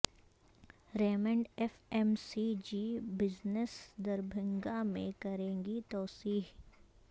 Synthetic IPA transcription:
ɾɛːmə̃ɳɖɛːfɛːmsid͡ʒibɪznəsd̪ɐɾbʱɪ̃ŋɡamḛ̃kɐɾẽːŋɡit̪ɔːsiːɦ

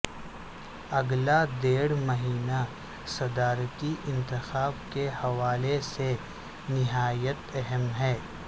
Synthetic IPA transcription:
ɐɡlad̪eːɽmɐɦiːna | sɐd̪aːɾət̪iʔɪ̃nt̪ɪxaːbkehɐʋaːlese | nɪɦaːjət̪ɛɦəmɦɛː

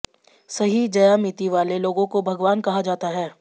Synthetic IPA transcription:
sɐɦid͡ʒɐjamɪt̪iʋaːleloːɡõkobʱɐɡʋaːnkɐɦad͡ʒaːt̪aɦɛː

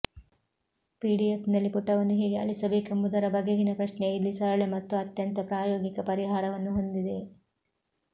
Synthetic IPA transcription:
piːɖijepnɐlːipuʈːɐʋɐnːuɦeːɡeɐ̰ɭisɐbeːkɐmud̪ɐɾɐbɐɡeɡinɐpɾɐʃnejilːisɐɾɐɭemɐt̪ːuɐt̪jɐnt̪ɐpɾaːjoːɡikɐpɐɾiɦaːɾɐʋɐnːuɦo̞nd̪id̪e̞

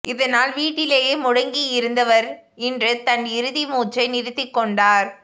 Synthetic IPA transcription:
ʔɪðɐnaːlʋiːʈːɪleːjeːmʊɽɐŋɡijɪɾɯnd̪ɐʋɐɾ | ɪndrɯt̪ɐnɪɾɯðimuːt͡ʃːɐɪnɪɾɯt̪ːɪkːɔɳɖaːɾ

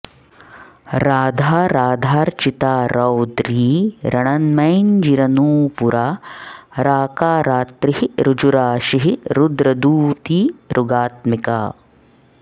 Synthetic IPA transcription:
ɾaːd̪ʱaːɾaːd̪ʱaːɾt͡ʃit̪aːɾɐwd̪ɾiːɾɐɳɐnmɐjnd͡ʒiɾɐnuːpuɾaːɾaːkaːɾaːt̪ɾiɦiɾud͡ʒuɾaːʃiɦiɾud̪ɾɐd̪uːt̪iːɾʔuɡaːt̪mika̰ː

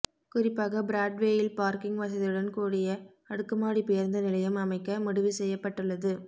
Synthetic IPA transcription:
kʊrɪpːaːɣɐbɾaːɖʋeːjɪlpaːɾkɪŋɡʋɐs̬ɐðɪɯɽɐnkuːɽɪjɐ | ɐɽɯkːɯmaːɽipɪjɐɾnd̪ɐnɪlɐjɯmɐmɐɪkːɐmʊɽɯʋisɛjːɐpːɐʈːɯɭːɐðɯ

